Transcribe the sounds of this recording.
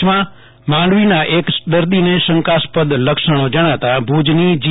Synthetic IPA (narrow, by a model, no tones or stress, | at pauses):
mã | mãɳɖʋinaʔekd̪əɾd̪inesəŋkaspəd̪ləkʃəɽ̃od͡ʒəɽ̃at̪abʱud͡ʒnid͡ʒ